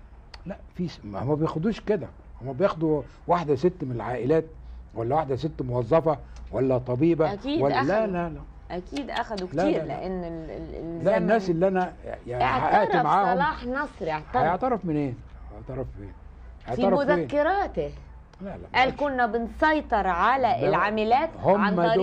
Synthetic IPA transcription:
læʔfiːsmhomːæbejexod̪uːʃked̪æ | homːæbejeːxd̪u | waħd̪æset̪ːmenelʕaːʔɪlæːt̪̚wælːæwaħd̪æset̪ːmowɑzˤːɑfɑwælːæt̪ˤɑbiːbæækiːdwæælælælæ | ʔækʰiːd̪ʔæxæd̪ulæiːɾlḛʔenː | lænːæːsʔelːiʔænæjaʕʕhaʔæʔɾimaʕaːholɑːħnɑsˤɾʕt̪æʔeʕt̪ɑɾˤɑfmɪnʔeːnæeʕt̪ɑɾˤɑfeːn | heʕtfɑɾˤɑmʊzæeːkːeɾɑːt̪e | lælæ̰ʔæːlkonːæbɪnsˤɑjt̪ˤɑɾˤʕalæʔelʕamɪlæːt̪homanːæ

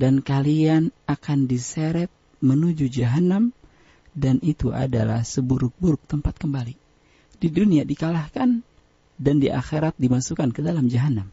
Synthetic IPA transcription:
dankalianakandiseɾɛt̪̚ | mənud͡ʒud͡ʒaɦanam | danit̪uʔa̰da̰la̰hsəbuɾʊk̚buɾʊk̚t̪əmpat̪̚kəmbali | diduniadikalahkan | dandiʔa̰xeɾat̪̚dimasukankədalamd͡ʒaɦanam

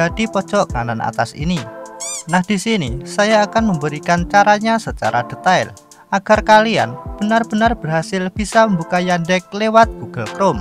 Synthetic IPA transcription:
d̥a̤d̪̥ipɔd̥ʒ̥ɔʔŋalana̰t̪asḭninahd̪̥isinisajaːkanməmbəɾikant͡ʃaɾaɲasət͡ʃa̰ɾad̪̥ə̤t̪aɪ̰l | ʔaɡ̥arkalia̰nb̥ənarb̥ə̤narb̥ərɦasɪlb̥isaməmbukajandɛk̚lewat̪̚ɡ̥uɡ̥alkɾom

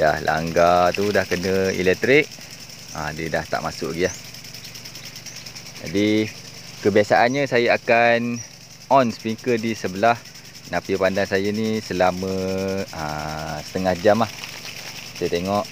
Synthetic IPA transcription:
ja̰hlʔa̰ŋɡat̪udahkənə̃ḭlɛk̚t̪ɾɪk̚ | a̰diədaht̪a̰ʔmasʊʔɡiah | d͡ʒa̰di | kəbiasaʔanɲəsajaakan | ɔnsə̥piŋkədisəbəlah | napipandaŋsajanisəlamə̃əsə̥t̪əŋahd͡ʒamah | sajat̪eŋɔʔ

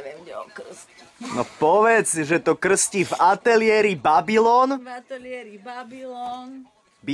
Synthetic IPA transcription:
ɛmɛk̩s | nɔ̰pɔʋɛd͡zʒɛt̪ɔkr̩scivat̪ɛlɪɛːɾibabilɔːnat̪ɛlɪɛɾibabilɔn | bi

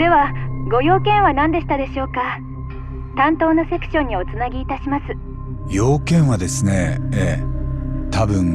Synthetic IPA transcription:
d̪e̞βaɡo̞jo̞ːkẽ̞ɰ̃βanãnd̪e̞ɕi̥t̪ad̪e̞ɕo̞ːka | t̪ãnt̪o̞ːnose̞kɯ̥ɕõ̞ɲ̟ːio̞t͡sɨnaɡʲiːt̪aɕimasɨ̥ | jo̞ːkẽ̞ɰ̃βad̪esɨne̞e | t̪ʰabɯ̟̃ŋ

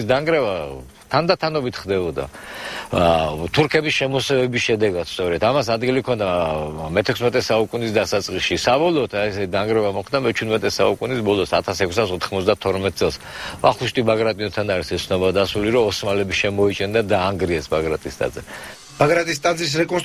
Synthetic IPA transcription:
sd̪aŋɡɾɛva | t̪ʰand̪at̪ʰanɔbit̪ʰχd̪ɛbɔd̪a̰ | t̪ʰuɾkʰɛbisʃɛmɔsɛvɛbisʃɛd̪ɛɡad̪̥st̪sʼɔɾɛt̪ʰamasad̪ɡilikʰɔnd̪amɛt̪ʰɛkʰsmɛt̪ʼɛsaukʼunisd̪asat̪sʼqʼisʃisabɔlˠɔːt̪ʰaɛsɛid̪aŋɡɾɛvamɔχd̪amɛt͡ʃʰud̪mɛt̪ʼɛsa̰ukʼunisbɔlˠɔsat̪ʰasɛkʰsasɔt̪ʰχmɔt̪zd̪at̪ʰɔɾmɛt̪̚ʼtsʼɛlˠs | vaχuʃt̪ʼibaɡɾat̪ʼiɔt̪ʰanaɾisɛt̪sʰnɔbad̪asuliɾɔːsmalɛbiʃɛmɔit͡ʃʼɛnd̪ad̪aːŋɡɾiɛsbaɡɾat̪ʼist̪ʼa̰d̪zɛ | b̥aɡɾat̪ʼist̪ʼad̪zis̬ɾɛkʼɔns

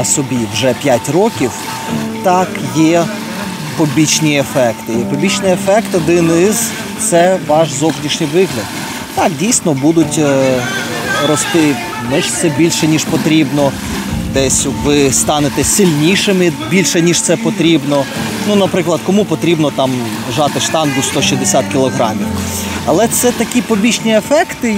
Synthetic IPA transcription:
ɐsɔbʲiwʒɛpʲjatʲrɔkʲiw | t̪ɑkjɛ | pɔbʲit͡ʃnʲiefɛkt̪ɪpɔbʲit͡ʃnɪefɛkt̪ɔd̪ɪnɪz | t̪sɛʋɑʃzɔwnʲiʃnʲɪjʋɪɦlʲɐd̪̚ | t̪ɑkdʲijsnɔbud̪ʊtʲ | ɾɔst̪ɪ | nɛʃtsɛbʲilʲʃɛnʲiʃpɔt̪ɾʲibnɔ | d̪ɛsʲʋɪst̪ɑnet̪ɛsɪlʲnʲiʃɪmɪbʲilʲʃɛnʲiʃt̪sɛpɔt̪ɾʲibnɔ | nunɐpɾɪklˠɐd̪̚kɔmupɔt̪ɾʲibnɔt̪ɑm | ʒɑt̪ɪʃt̪ɑnd̪ʊst̪ɔʃizd̪esʲɑt̪̚kʲɪlˠɔɦɾɑ̰mʲiw | ɐlˠɛt̪sɛt̪ɐkʲipɔbʲit͡ʃnʲiefɛkt̪ɪ

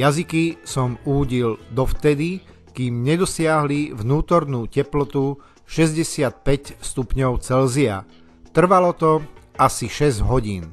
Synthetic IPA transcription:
jazikisɔmuːɟild̪ɔft̪ɛd̪i | kiːmɲɛd̪ɔsɪaɦliʋnuːt̪ɔɾnuːcɛplɔt̪u | ʃɛzɟɛsɪat̪̚pɛcst̪upɲɔʊt͡sɛlzia̰ | t̪r̩ʋalɔt̪ɔasiʃɛzɟɦɔɟiːn

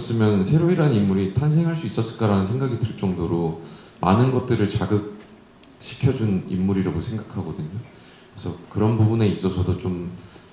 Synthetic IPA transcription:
ʌs͈ɯmjʌnsʰe̞ɾoiɾanimːuɾitʰans̬ʰe̞ŋɦaɭs͈uis͈ʌs͈ɯɭk͈aɾanɯnsʰe̞ŋɡaɡitɯɭt͡ɕ͈ʌŋdoɾo | manɯnɡʌt̚t͈ɯɾɯɭt͡ɕaɡɯk̚ | ɕʰi̥kʰjʌd͡ʑunḭmːuɾiɾaɡosʰe̞ŋɡakʰaɡʌdɯɲo | kɯesʰʌkɯɾʌnbubune̞is͈ʌsʰʌdot͡ɕom

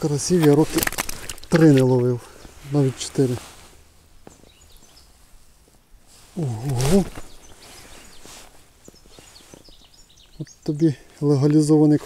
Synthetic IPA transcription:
kɾɐsʲiʋʲjɐɾɔkɪt̪ɾɪnɛlˠɔʋɪwnɑʋʲitʲt͡ʃe̥t̪ɪɾɪ | ɔɦɔɦɔ | ɔt̪ːɔbʲi | lˠeɦɐlʲizɔʋɐnɪk

